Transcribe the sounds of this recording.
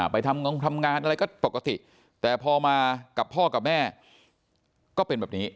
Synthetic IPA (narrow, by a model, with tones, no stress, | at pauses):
a˨˩pa˧jt̪ʰa˧m˧t̪ʰa˧mŋaː˧nʔa˧ɾa˧jkɔː˥˩po˨˩kːa˧t̪ḭ˨˩ʔ | t̪ɛː˨˩pʰɔː˧maː˧ka˨˩pʰːɔː˥˩ka˨˩p̚mɛː˥˩ | kɔː˥˩pe˧nbɛː˨˩p̚niː˦˥